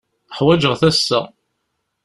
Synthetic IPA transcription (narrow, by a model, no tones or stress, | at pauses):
əħwæd͡ʒəʁθæsːæ̰